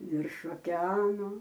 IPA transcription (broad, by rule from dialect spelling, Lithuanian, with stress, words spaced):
ʋʲɪrʃ oːkʲɛˈɑːnʊ